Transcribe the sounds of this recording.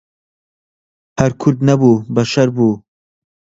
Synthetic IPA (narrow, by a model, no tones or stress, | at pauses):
hɐɾkʰʊɾd̪̚nɐbuːbɐʃɐɾbuː